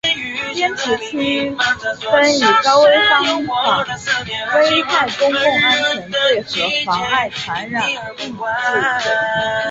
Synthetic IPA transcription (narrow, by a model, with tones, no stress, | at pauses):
pjɛ˥ntʰu˧˥t͡ɕʰy˥fə˥ny˨˩kɑ˥ʊwe˥ɪfɑ˥ŋ˥kɑ˨˩ŋfe˥ɪt̪ʰa˥˩ɪkʊ˥ŋkʊ˥˩ŋa˥nt͡ɕʰɛ˧˥ŋt͡swe˥˩ɪxɤ˧˥fɑ˧˥ŋa˥˩ɪt͡sʰa˧˥nɻa˨˩˦n | i˥˩ŋ˨ʈ͡ʂi˥˩